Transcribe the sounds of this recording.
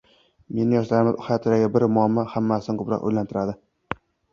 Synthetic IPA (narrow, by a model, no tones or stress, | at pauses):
me̞nɪjɒʃlaɾmɪzʊhajt̪ʰɪɾaɡʲabɪɾmamːɒhamːasɪnkʰʊpɾɒ̰qo̰jlant̪ʰɪɾad̪ɪ